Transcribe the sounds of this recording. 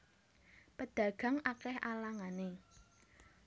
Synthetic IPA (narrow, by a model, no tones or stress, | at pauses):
pəd̪̥ä̤ɡ̥a̤ŋakɛhalaŋane